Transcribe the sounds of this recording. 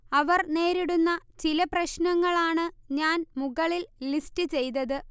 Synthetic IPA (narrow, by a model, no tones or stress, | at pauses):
ɐʋɐrne̞ːɾiɽunːɐt͡ɕilɐprɐɕnɐŋːɐɭaːɳɨɲaːnmuɣɐɭillistɨt͡ɕe̞jt̪ɐðɨ